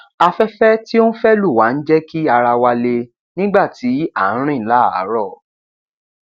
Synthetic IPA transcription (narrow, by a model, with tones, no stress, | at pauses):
a˧fɛ˦fɛ˦ti˦o˦n̩˦fɛ˦lu˦˨wa˨˦n̩˦d͡ʒɛ˦ki˦a˧ɾa˧wa˧le˧ | nĩ˦ɡ͡ba˦˨ti˨˦ã˨˦ɾ̃ĩ˦˨˦la˦˨a̰˨˦ɾɔ˦˨